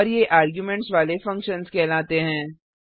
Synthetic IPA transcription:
ɾjeʔaːɾɡjumɛ̃ɳʈsʋaːlefɐ̃ŋkʃənskɛːlaːt̪eɦɛ̃ː

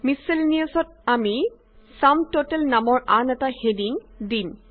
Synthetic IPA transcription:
miselnijasɔt̚ami | samtotɛlnamɔɹʔanɛtahediŋdim

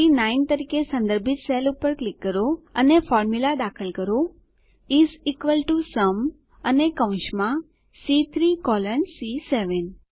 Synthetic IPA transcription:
inaint̪əɾikesə̃nd̪əɾbʱɪt̪selupəɾklɪkːəɾoənefɔːɾmjulad̪akʰəlkəɾo | izikʋəlʈusəm | ənekə̃ʊ̃ʃmã | sit̪ʰɾikɔlənsiseʋən

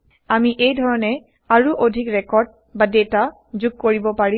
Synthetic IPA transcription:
amiʔejdʱɔɹɔnɛ | aɹuʔodʱikɹɛkɔɹd̚ | badeta | zuɡ̚koɹibɔpaɹi

